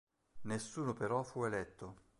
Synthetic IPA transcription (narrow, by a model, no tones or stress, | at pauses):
nesːuːnopeɾɔfuelɛt̪ːo